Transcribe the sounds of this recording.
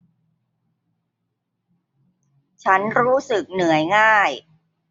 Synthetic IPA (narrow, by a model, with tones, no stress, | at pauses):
t͡ɕʰa˦˥nɾuː˦˥sɯ˨˩k̚nɯ˨˩˦əjŋaː˥˩j